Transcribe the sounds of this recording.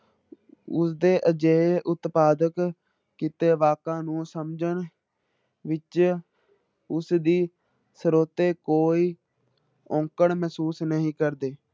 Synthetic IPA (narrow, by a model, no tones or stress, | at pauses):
ʊsd̪eːʔəd͡ʒeːeʔʊt̪paːd̪ək | kɪt̪eːʋaːkãːnũːsəmd͡ʒən | ʋɪt͡ʃ | ʊsd̪iː | səɾoːt̪eːkoːiː | ɔ̃ːŋkəɳmɛːsuːsnəɦĩːkəɾd̪eː